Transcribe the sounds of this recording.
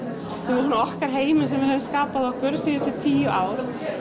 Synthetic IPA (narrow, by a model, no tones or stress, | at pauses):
sɛmvɪɾsɔnaɔhkaɾ̥ɦeːjmɪnsɛmvɪðhœvʏmskaːpaðɔhkʏɾsiːjɪsɛt̪ʰiːjʏaːwɾ̥